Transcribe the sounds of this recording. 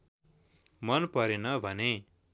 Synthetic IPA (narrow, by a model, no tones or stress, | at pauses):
mʌnpʌɾenʌbʱʌne